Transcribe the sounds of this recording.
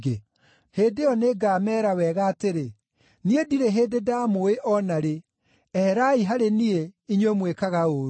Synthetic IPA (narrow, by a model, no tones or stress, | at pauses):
ɡe | heːdeɔneɡaːmɛːɾawɛːɣaːteɾe | niediɾeɦeːdedaːmoeʔɔnaɾe | ɛɾaiɦaɾenieiɲwemwekaɣaoːɾu